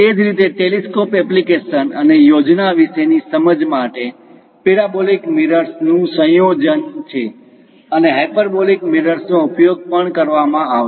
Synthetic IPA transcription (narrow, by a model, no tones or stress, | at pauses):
ed͡ʒɾit̪eʈeliskopɛplikeʃənənejod͡ʒnaʋiʃenisəməd͡ʒmaʈe | peɾabolikmiɾəɾsnũsə̃jod͡ʒənt͡ʃʰe | əneɦajpəɾbolikmiɾəɾsnõʊpjoɡ̚pəɳkəɾʋamãaʋ